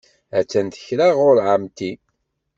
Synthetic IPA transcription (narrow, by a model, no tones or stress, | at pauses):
æt͡sːænt̪ə̥çɾaʁʊɾʕamt̪i